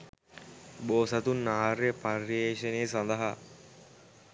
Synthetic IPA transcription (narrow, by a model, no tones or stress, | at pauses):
boːsɐt̪unːaːɾjeparjeːʃəneːsand̪ɐɦa